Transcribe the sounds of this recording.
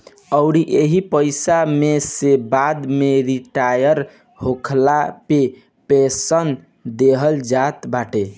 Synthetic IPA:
əʊɽiʔeɦipəɪsamesebad̪meɾiʈajəɾ | hokʰlape | pesən | d̪eɦəld͡ʒat̪baʈe

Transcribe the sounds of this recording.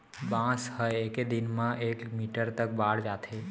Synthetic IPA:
bãshəjeked̪inmãʔekmiʈəɾt̪ək̚baɽd͡ʒat̪ʰe

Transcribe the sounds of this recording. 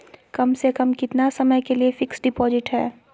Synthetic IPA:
kɐmsekɐmkɪt̪nasɐməjkeliefɪksɖɪpɔːzɪʈɦɛː

